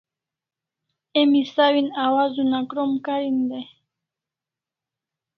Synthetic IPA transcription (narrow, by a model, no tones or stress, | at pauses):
emisawinawazunakɾomkaɾind̪e